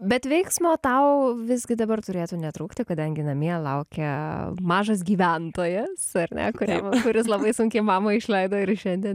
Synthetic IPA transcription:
bʲɛt̪ʋʲɛɪksmoːt̪ɐʊʋʲɪzʲɡʲɪd̪ɐbɐrt̪ʊɾʲeːt̪uːnʲɛt̪ɾuːkt̪ʲɪkɐd̪ɐŋʲɡʲɪnɐmʲiɛlˠɐʊkʲɛmɑːʒɐs̬ɡʲiːʋʲænt̪oːjɛsɐrnʲɛ̰kʊɾʲḭkʊɾʲɪslˠɐbɐɪsʊŋʲkʲɛɪmɑːmɐɪʃlʲɛɪd̪oːɪɾʃʲɛnʲd̪ʲiɛn

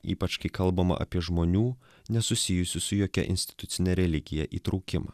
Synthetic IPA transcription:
ḭːpɐt͡ʃkɐɪkɐlˠbɐmɐ̰ʔɐ̰pʲiɛʒmoːnʲuː | nʲɛsʊsʲɪjʊsʲʊsʊjoːkʲɛ̰ʔɪ̰nʲsʲt̪ʲɪ̥t̪ʊt̪sʲɪnʲɛɾʲɛlʲɪɡʲɪjɛʔiːt̪ɾɐʊkʲɪmɐ̰ː

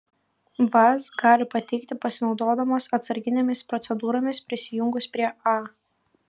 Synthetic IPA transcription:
ʋɐsɡɑːlʲɪpɐt̪ʲɛɪkt̪ʲɪpɐsʲɪnɒʊd̪oːd̪ɐmoːsɐt̪sɐɾʲɡʲɪnʲemʲɪspɾɔt̪sʲɛd̪uːɾoːmʲɪspʲɾʲɪsʲɪjʊŋɡʊspʲɾʲiɛɑː

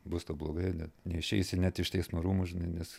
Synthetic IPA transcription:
bʊst̪oːblˠoːɡɐɪnʲɛtnʲɛɪʃʲɛɪsʲɪnʲæt̪ɪʃt̪ʲɛɪsmoɾuːmʊʒʲɪnɐɪnʲɛs

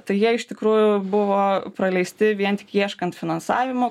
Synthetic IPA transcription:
t̪ɐɪjiɛɪʃt̪ʲɪkɾuːjʊbʊʋoːpɾɐlʲɛɪsʲt̪ʲɪʋʲiɛnt̪ʲɪ̥kjiɛʃkɐnt̪fʲɪnɐnsɑːʋʲɪmoː

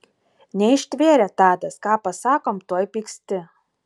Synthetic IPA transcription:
nʲɛɪʃʲt̪ʲʋʲeːɾʲɛt̪ɑːd̪ɐskɑːpɐsɑːkoːmt̪uɔjpʲiːksʲt̪ʲɪ

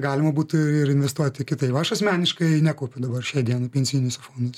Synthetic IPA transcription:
ɡɑːlʲɪmɐbuːt̪ɪɪɾɪnʲʋʲɛst̪uɔt̪ʲɪkʲɪt̪ɐɪpʋɐɐʃɐsʲmʲæːnʲɪʃkɐɪnʲæːkoːpʲʊd̪ɐbɐrʃʲæːd̪ʲiɛnɐːpʲɛnʲsʲiːnʲɪsɐfoːnd̪ɐs

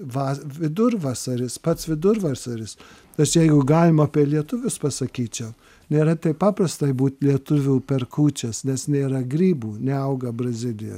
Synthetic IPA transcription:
ʋɑːʋʲɪd̪ʊrʋɑːsɐɾʲɪspɐt̪sʋʲɪd̪ʊrʋɑsɐɾʲɪs | ɐʃjɛɪɡʊɡɑːlʲɪmɐpʲilʲiɛt̪ʊʋʲʊspɐsɐkʲiːt͡ʃʲɛʊ | nʲeːɾɐt̪ʲɛɪpɑːpɾɐst̪ɐɪbuːt̪ʲlʲiɛt̪ʊʋʲuːpʲɛrkuːt͡ʃʲɛsnʲɛsnʲeːɾɐɡɾʲiːbuːnʲɛɐʊɡɐbrɐzʲɪlʲɪjo̰ː

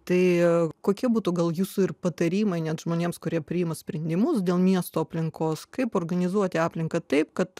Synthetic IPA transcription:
t̪ɐɪkoːkʲiɛbuːt̪uːɡɐlˠjuːsʊɪrpɐt̪ɐɾʲiːmɐɪnʲɛt̪ʒ̥moːnʲeːmskʊɾʲiɛpʲɾʲɪɪmɐsʲpʲɾʲɛnʲd̪ʲɪmʊsd̪ʲeːlˠmʲiɛst̪oːɐpʲlʲɪŋkoːskɐɪpoːrɡɐnʲɪzuɔt̪ʲɪɑːpʲlʲɪŋkɐt̪ɐɪpkɐt̪

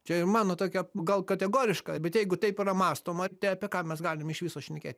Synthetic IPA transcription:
t͡ʃʲɛɪrmɑːnoːt̪oːkʲɛɡɐlˠkɐt̪ʲɛɡoːɾʲɪʃkɑbʲɛt̪jɛɪɡʊt̪ɐɪpɪrɐmɑːst̪oːmɐt̪ɐɪɐpʲekɑːmʲɛsɡɑːlʲɪmɪʃʋʲisoːʃʲnʲɛkʲḛːt̪ʲ

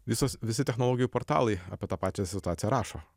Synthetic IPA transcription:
ʋʲɪsosʋʲɪsʲɪt̪ʲɛxnɔlˠoːɡʲɪjupɔɾt̪ɑ̰ːlˠɐɪɐ̰pʲiɛt̪ɑːpɑːt͡ʃʲɛsʲɪt̪ʊɑːt̪ʲɪjɛɾɑːʃo̰ː

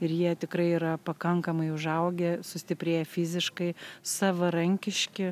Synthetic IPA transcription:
ɪɾjiɛt̪ʲɪkɾɐɪiːɾɐpɐkɐŋkɐmɐɪʊʒɐʊɡʲɛsʊsʲt̪ʲɪpʲɾʲeːjɛfʲɪzʲɪʃkɐɪsɑːʋɐɾɐŋʲkʲɪʃʲkʲɪ

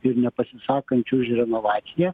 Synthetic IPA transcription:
ɪɾnʲɛpɐsʲɪsɑːkɐnʲt͡ʃʲʊʃʲɾʲɛnoʋɑːt̪sʲɪjæ

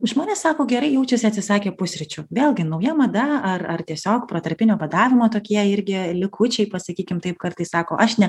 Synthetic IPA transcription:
ʒmoːnʲeːsɑːkoːɡʲɛɾɐɪjɛʊt͡ʃʲʊsʲɪɐt̪ʲsʲɪsɑːkʲeːpʊsʲɾʲɪt͡ʃʲʊʋʲeːlʲˠɡʲɪnɐʊjɛmɐd̪ɐɐrɐrt̪ʲiɛsʲoːkpɾoːt̪ɐɾʲpʲɪnʲoːpɐd̪ɑːʋʲɪmoːt̪oːkʲiɛɪɾʲɡʲɪlʲɪkʰʊt͡ʃʲɛɪpɐsɐkʲiːkʲɪmt̪ɐɪp̚kɐrt̪ɐɪssɑːkoːʔɐʃnʲɛ

